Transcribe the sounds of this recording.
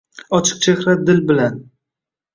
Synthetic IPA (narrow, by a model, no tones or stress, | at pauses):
ɒt͡ʃʰɨ̥q̚t͡ʃʰehɾat̪̚d̪ɪlbɪlan